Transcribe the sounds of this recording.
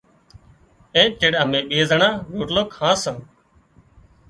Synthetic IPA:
ẽːteɽəmẽːɓeːzəɳãːɾoːʈloːkhãːsən

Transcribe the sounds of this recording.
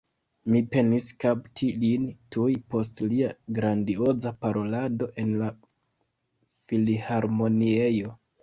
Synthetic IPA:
mipe̞niskaptʰilintujpo̞stliaɡɾandio̞zapaɾo̞lado̞ʔe̞nla | filihaɾmo̞niejo̞

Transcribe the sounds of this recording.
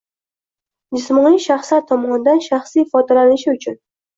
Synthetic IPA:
d͡ʒɪsmɒnijʃaχslaɾt̪ʰɒmɒnɪd̪anʃaχsijfɒd̪alanɪʃɪʊt͡ʃʰʊn

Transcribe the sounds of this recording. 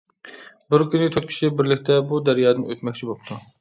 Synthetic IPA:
bɪɾkʲynɪt̪ʰøt̪̚kʲʰi̥ʃɪbɪɾlɪkʲt̪ʰɛbud̪æɾjɑːd̪ɨnøt̪mɛkʲt͡ʃʰibop̚t̪ʰu

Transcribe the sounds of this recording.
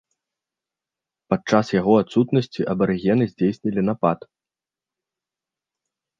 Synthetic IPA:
pat͡ʂasjaɣɔat̪sut̪nɐsʲt͡sʲiʔɐbɐɾɨɣʲɛnɨzʲd͡zʲejsʲnʲɐlʲinapat̪

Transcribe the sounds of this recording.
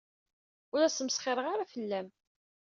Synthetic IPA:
ʊɾæsəmsχɪɾˤəʁaɾafəlːæm

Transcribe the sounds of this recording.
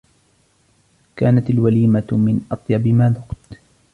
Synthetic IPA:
kaːnat̪alwaliːmamɪnʔɑt̪ˤjɑbɪmaːnʊqt̪

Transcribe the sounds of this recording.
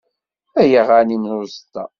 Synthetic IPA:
æjəʁaninʊɾst̪ːæ̰

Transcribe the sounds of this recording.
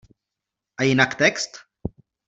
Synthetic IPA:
ajinakt̪ekst̪

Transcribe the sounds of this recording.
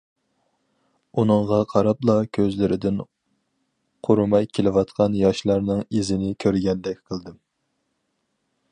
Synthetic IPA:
unɨŋʁɑqʰɑɾɑplˠɑkʲʰøzlɪɾɪd̪ɪn | qʰoɾumɑjkʲʰelɪwɑt̪qʰɑnjɑʃlˠɑɾnɨŋizɪnɪkʲʰøɾɡʲɛnd̪ɛk̚ʲqʰəlˠd̪ɨm

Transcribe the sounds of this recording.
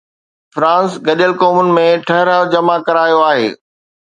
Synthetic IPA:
fɾãːnsɡɐɗəlkoːmʊnɪ̆mẽʈʰɐɦɾad͡ʑɐmakɐɾaːjoaːɦḛː

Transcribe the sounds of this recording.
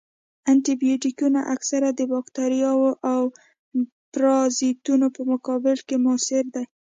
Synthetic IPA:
ant̪ibijoʈikunaʔaksaɾad̪əbɑkt̪aɾjɑwoʔaw | pɾɑzit̪unopəmʊkɑbɪlkemʊsɪɾd̪aj

